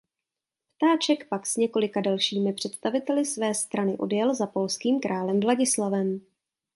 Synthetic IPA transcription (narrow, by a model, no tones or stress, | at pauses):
pt̪aːt͡ʃɛkpaksɲɛko̞lɪkadalʃiːmɪpr̥ɛt̪st̪avɪt̪ɛlɪsvɛːst̪ɾanɪʔo̞̰djɛlzapo̞lskiːmkɾʔaːlɛmvlaɟɪslavɛm